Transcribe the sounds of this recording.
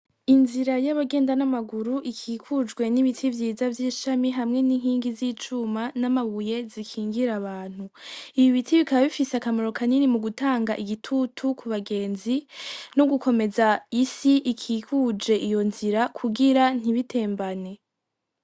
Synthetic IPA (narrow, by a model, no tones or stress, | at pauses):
inziɾajaβaɡe̞ːndanamaɡuɾuʔikʰiːkʰud͡ʒɡwe̞niβitʰivjiːzavjiːʃamiɦamŋe̞niŋhiːŋɡiziːt͡ʃumanamaβuje̞zikʰiːŋɡiɾaβaːn̥huiβiβitʰiβikaβaβifiseakamoɾo̞kaninimuɡutaːŋɡaʔiɡitʰutʰukʰuβaɡe̞ːnzinoɡuko̞me̞zaisiʔikʰiːkud͡ʒe̞ʔijo̞nziɾakʰuɡiɾan̥iβitʰe̞ːmbane̞